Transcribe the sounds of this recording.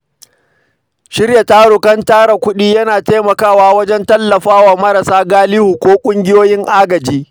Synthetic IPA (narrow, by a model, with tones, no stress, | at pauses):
ʃɪ˦rja˨taː˦ɽʊ˨kɐ˦ntaː˦ɽa˨kʷʊ˦ɗiː˦jɐ˦naː˨teː˦mɐ˨kaː˦waː˦wɐ˦d͡ʒɛ˦ntɐ˦lːɐ˨ɸaː˦waː˨mɐ˦ɾɐ˨saː˦ɡaː˦lɪ˦hu˨kʷoː˦kʷʼʊ˦ŋɡʲɪ˦joː˦jɪ˦ŋʔaː˦ɡɐ˨d͡ʒiː˦